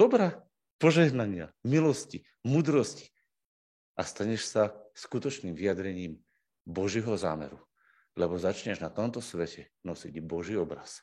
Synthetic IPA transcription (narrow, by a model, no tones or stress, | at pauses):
d̪̥ɔbɾa | pɔʒɛɦnaɲɪamilɔsci | muːd̪ɾɔsci̥ | ʔast̪aɲɛʃsaskut̪ɔt͡ʃniːmvijad̪ɾɛɲiːm | bɔʒjɛɦɔza̰ːmɛ̰ɾu | lɛbɔzat͡ʃɲɛʒnat̪ɔmt̪ɔsʋɛcɛ | nɔsiɟbɔʒiːɔbɾa̰s